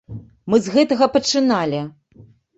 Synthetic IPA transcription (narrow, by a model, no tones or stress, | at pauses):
mɨzɣɛt̪ɐɣɐpɐt͡ʂɨnalʲi